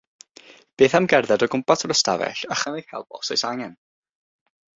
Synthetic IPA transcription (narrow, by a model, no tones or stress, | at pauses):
b̥eːθamɡɛrðɛdɔɡʊmpatʰɔrəstavɛ̰ɬaχanejhɛ̰lˠbɔ̰sɔjsaŋɛn